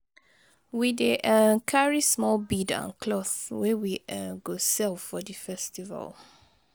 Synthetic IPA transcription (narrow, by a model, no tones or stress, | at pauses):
wideʔəkʰaɹismɔlbidã̰nkʰlɔθwɛwiəɡosɛlfɔdifɛstiva̰lˠ